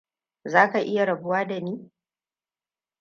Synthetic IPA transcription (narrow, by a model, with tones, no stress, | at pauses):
zaː˦ka˨ʔɪ˦ja˨ɾɐ˨bʊ˦waː˦da˨niː˦